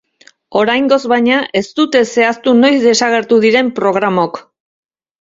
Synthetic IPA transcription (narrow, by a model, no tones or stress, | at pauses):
o̞ɾajŋɡo̞zβajɲaʔe̞st̪ut̪e̞se̞ast̪uno̞jzd̪e̞saɣ̞e̞ɾt̪uðiɾe̞mpɾo̞ɣ̞ɾamo̞k